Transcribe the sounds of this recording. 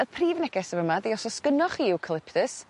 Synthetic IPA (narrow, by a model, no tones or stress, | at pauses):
əpʰriːvnɛɡɛsəvəmadeɔsɔskənɔχiːwkʰəlˠɪpʰtəs